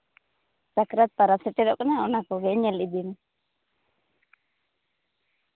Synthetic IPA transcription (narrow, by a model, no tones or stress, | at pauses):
sakɾat̪̚paɾaseʈeɾokʼnaonakoɣeɲelid̪in